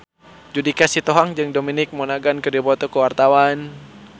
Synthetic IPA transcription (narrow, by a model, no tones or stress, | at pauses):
d͡ʒudikasit̪oɦaŋd͡ʒɨŋdominɪk̚mɔnaɡankərdiabɔt̪ɔkəwart̪awan